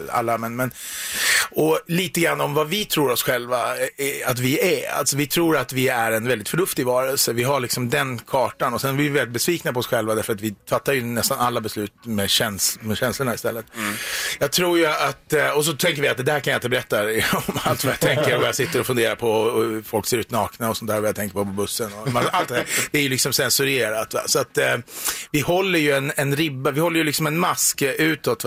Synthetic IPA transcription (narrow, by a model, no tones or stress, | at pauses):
a̰lːamɛnmɛn | ɔliːt̪əɡɾanːaɔmvavɪt̪ʰɾuːɾɔsɧɛlvaat̪vɪæa̰lt̪sɔvɪt̪ʰɾuːɾat̪vɪæɾɛnvɛld̪ɪt̪fœɳɵft̪ɪɡvɑːɾɛlsəvɪɦaɭɪksɔmd̪ɛnkʰɑːʈanɔsɛnɛvɪvɛlɪt̪̚bɛsviːknapɔsɧɛlvad̪æɾfœɾat̪vɪfat̪ːajɵnɛst̪analːabɛslʉ̟ːt̪mɛɕɛnsmɛɕɛnslʊɳaɪst̪ɛlːət̪jɑːɡt̪ʰɾuːjʉat̪ɔs̬ɔt̪ʰɛŋk̬əɾvɪat̪̚d̪ɛd̪æːɾkʰanjaɪnt̪əbɛɾɛt̪ːaɔmalt̪vajat̪ʰɛŋkəɾɔvajasɪt̪ːəɾɔfɵnd̪eːɾaɾpʰɔfɔlkseːɾʉ̟ːt̪nɑːknaɔsɔnt̪ʰæːɾvajat̪ʰɛŋkəɾpɔpɔbɵsːənɔaalt̪d̪æːɾd̪̥ɛæɾjɵlɪksɔmsɛnsɵɾeːɾat̪a̰sɔat̪ | vɪhɔlːəɾjɵɛnɛnɾɪbːavɪhɔlːəjɵlɪksɔmɛnmaskʔʉ̟ːt̪ɔt̪ː